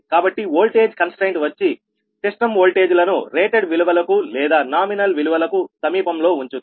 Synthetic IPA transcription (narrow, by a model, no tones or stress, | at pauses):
kaːbɐʈːioːlʈe̞ːd͡ʒkɐnsʈeːɳʈʋɐt͡ʃːi | seʂʈɐmoːlʈe̞ːd͡ʒulɐnuɾeːʈeɖʋiluʋɐlɐkulɛːd̪aːnaːminɐlʋiluʋɐlɐkusɐmiːpɐmlo̞ːuɲt͡ʃund̪i̥